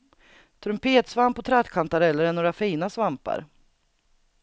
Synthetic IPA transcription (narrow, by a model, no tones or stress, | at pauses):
t̪ʰɾɵmpʰeːt̪svampɔt̪ʰɾat̪kʰant̪aɾɛlːəɾɛɳoːɾafiːnasvampa̰ɾ